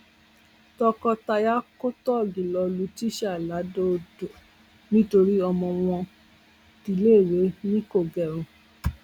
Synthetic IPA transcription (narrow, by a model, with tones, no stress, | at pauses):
tɔ˧kɔ˧ta˧ja˦ko˦tɔ˦˨ɡĩ˨lɔ˧lu˧˦ti˦ʃa˦˨la˨˦do˦˨do˨ | nĩ˦to˧ɾi˦ɔ˧mɔ̃˧w̃ɔ̃˧ | ti˨˧˦leː˦˨ɾe˨˦nĩ˦ko˦˨ɡɛ˨ɾ̃ũ˨